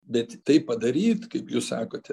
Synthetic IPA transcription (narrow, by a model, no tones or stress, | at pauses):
bʲɛt̪t̪ɐɪppɐd̪ɐɾʲiːt̪kɐɪpjuːssɑːkoːt̪ʲ